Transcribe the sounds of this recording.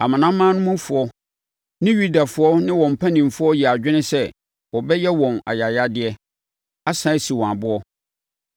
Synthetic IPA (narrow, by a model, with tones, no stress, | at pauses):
a˨mã˨nã˦mːãː˦nʊ̃˦mũ˦fʊ˨ɔ˦ | nɪ̃˦ɥu˦da˨fʊ˦ɔ˦nɪ̃˦wɔ̃˨m̩˨pʰã˦nĩ˨m˨fʊ˦ɔ˦ji˨a˨d͡ʑᶣɪ˦nɪ̃˦sɛ˦ | wɔ˨bɛ˦jɛ˦wɔ̃˨na̰˨ja˨ja˦dɪ˨ɛ˦ | a˦sã˦si˨wɔ̃˨a˨bʊ˦ɔ˦